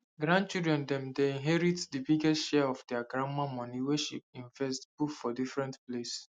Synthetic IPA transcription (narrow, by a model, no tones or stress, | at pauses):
ɡɹãnd̚t͡ʃidɹɛ̃ndɛ̃mdeĩnɦɛɹitdibiɡɛstʃɛɔfdɛaɡɹãmamɔ̃niweʃḭpĩnfɛstbukfɔdifɹɛ̃ntples